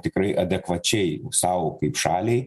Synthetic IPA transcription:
t̪ʲɪkɾɐɪʔɐd̪ʲɛkʋɐt͡ʃʲɛɪsɑʊkɐɪpʃɑːlʲeɪ

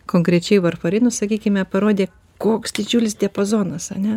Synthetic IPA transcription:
koːŋkɾʲɛt͡ʃʲɛɪʋɐrfɐɾʲɪnʊsɐkʲiːkʲɪmʲɛpɐɾoːd̪ʲeː | koːksd̪ʲɪd͡ʒʲuːlʲɪsd̪ʲɛpoːzoːnɐsɐ̰nʲɛ

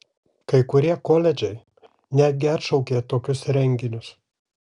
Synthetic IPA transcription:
kɐɪkʊɾʲiɛkoːlʲɛd͡ʒʲɛɪ | nʲæːd̪ʲɡʲɪɐt̪ʃɐʊkʲeːt̪oːkʲʊsɾʲɛŋʲɡʲɪnʲʊs

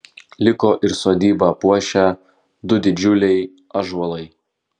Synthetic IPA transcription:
lʲɪkoːʔɪɾsoːd̪ʲiːbɑpuɔʃʲæ | d̪ʊd̪ʲɪd͡ʒʲʊlʲɛɪ | ɐʒuɔlˠɐɪ

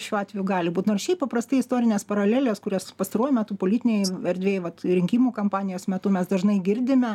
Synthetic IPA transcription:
ʃʲuːɑːt̪ʲʋʲɛjuɡɑːlʲɪbuːt̪noːrʃʲɛɪppɐpɾɐst̪ɐɪɪst̪oːɾʲɪnʲeːspɐɾɐlʲæːlʲeːskʊɾʲoːspɐst̪ɐɾuɔjumʲæːt̪upoːlʲɪːt̪ʲɪnʲɛɪɛɾʲd̪ʲʋʲeːjʋɐt̪ɾʲɪŋʲkʲiːmuːkɐmpɑːnʲɪjoːsmʲɛt̪ʊmʲɛsd̪ɐʒnɐɪɡʲɪɾʲd̪ʲɪmʲɛ

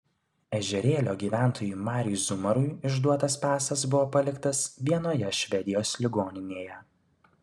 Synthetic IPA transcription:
ɛʒʲɛɾʲeːlʲoːɡʲiːʋʲæˑnt̪ʰoːjuːmɑːɾʲʊzʊmɐɾʊɪɪʒd̪uɔt̪ɐspʲæːsɐs̬bʊʋoːpɐlʲɪkt̪ɐsʋʲiɛnoːjɛʃʲʋʲɛd̪ʲɪjoːslʲɪɡoːnʲɪnʲeːjɛ

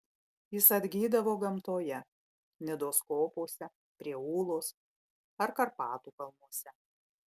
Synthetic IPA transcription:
jɪsɐd̪ʲɡʲiːd̪ɐʋoːɡɐmt̪oːjɛ | nʲɛd̪oːskoːpuɔsʲɛ | pʲɾʲiɛuːlˠoːs | ɐɾkɐɾpɑːt̪uːkɐlˠmuɔsʲɛ

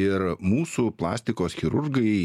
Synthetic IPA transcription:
ɪɾmuːsuplˠɑ̰ːsʲt̪ʲɪkoːsxʲɪɾʊɾɡɐɪ

